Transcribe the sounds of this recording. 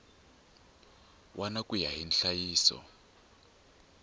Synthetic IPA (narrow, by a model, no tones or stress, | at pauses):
wʔanakʼujaɦinɬajiːsɔ̰